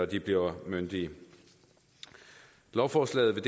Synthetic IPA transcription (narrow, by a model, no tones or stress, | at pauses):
ɒd̥ib̥liɐmønd̥i | lɒʊfɒːslɛ̰ːð̞̩ˠʋe̝d̥